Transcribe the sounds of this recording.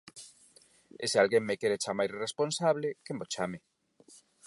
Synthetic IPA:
esealɣeŋmekeɾet͡ʃamajsresponsaβlekembot͡ʃamɪ

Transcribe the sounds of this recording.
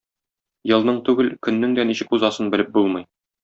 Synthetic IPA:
jɤ̆lˠnɤɴt̪ʉɡɘlkɵ̆nːɘŋd̪æniɕɘ̆kuzɑsɤnbɘ̆lɘp̚bulˠmɤj

